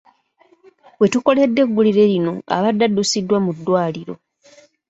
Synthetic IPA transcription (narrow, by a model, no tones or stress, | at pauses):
we̞tuko̞le̞dːe̞ɡːuliɾe̞ɾino̞a̰βadːadːusidːwamudːwaːliɾo̞